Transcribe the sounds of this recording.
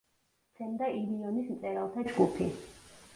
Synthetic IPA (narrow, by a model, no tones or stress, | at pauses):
t̪sʰɛnd̪aʔiliɔnismt̪sʼɛɾalˠt̪ʰad͡ʒɡupʰi